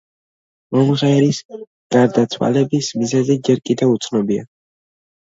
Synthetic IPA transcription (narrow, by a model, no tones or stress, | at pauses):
mɔmʁɛɛɾis | ɡ̥aɾd̪at̪sʰwa̰lɛbismizɛzɛd͡ʒɛɾkʼid̪ɛvut̪sʰnɔbia